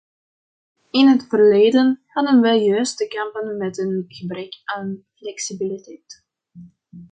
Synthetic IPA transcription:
ɪnɦətfərleːdənhɑdənʋɛjjøːstəkɛmpənmɛtənɣəbrɛkaːnnflɛksibilitɛjt

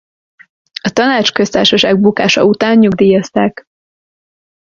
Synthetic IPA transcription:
ɒt̪ɒnaːt͡ʃkø̞st̪aːʃɒʃaːɡ̚bukaːʃɒ̰ut̪aːɲːuɡd̪iːjɒst̪aːk

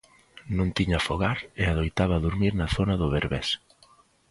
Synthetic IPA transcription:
nũŋt̪iɲafoɣaɾeaðojt̪aβɐðuɾmiɾnɐθonɐðʊβeɾβɛ̰s

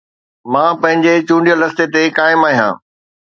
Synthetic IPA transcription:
mãːpɐ̃ɦɪ̃ɲd͡ʑet͡ɕũːɳɖijəlɐst̪et̪ekaːɪmaːɦijã̰ː

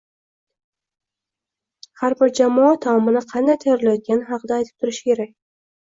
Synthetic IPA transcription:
haɾbɪɾd͡ʒamɒat̪ʰːaɒmɪnɪqʰɑnd̪ajt̪ʰajɒɾɪlajɒt̪̚ɡʲanɪɦɑqʰɨd̪aːjt̪ʰɪ̥p̚t̪ʰʊɾɪʃɪ̥kʲʰe̞ɾak̚ʲ

